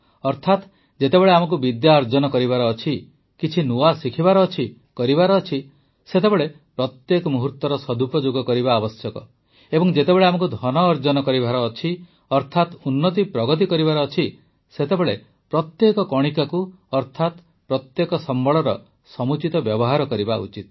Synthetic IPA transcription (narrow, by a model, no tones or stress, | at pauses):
ɔɾt̪ʰat̪ | d͡ʒet̪ebeɭeamɔk̬ubid̪jaɔɾd͡ʒɔnɔkɔɾibaɾɔːt͡ʃʰi | kit͡ʃʰinuasikʰibaɾɔːt͡ʃʰi | kɔɾibaɾɔːt͡ʃʰi | set̪ebeɭe | pɾɔt̪jekɔmuɦuɾt̪ɔɾɔsɔd̪ʱupɔd͡ʒoɡɔkɔɾibaːbɔsjɔkɔ̰ | ebɔŋd͡ʒet̪ebeɭeamɔkud̪ʱɔnɔːɾd͡ʒɔnɔkɔɾibʱaɾɔːt͡ʃʰi | ɔɾt̪ʰat̪unːɔt̪ipɾɔɡɔt̪̬ikɔɾibaɾɔːt͡ʃʰi | set̪ebeɭe | pɾɔt̪jekɔkɔɽ̃ikaku | ɔɾt̪ʰat̪ | pɾɔt̪jekɔsɔmbɔɭɔɾɔ | sɔmut͡ʃit̪ɔbjɔbɔɦaɾɔkɔɾibaṵt͡ʃit̪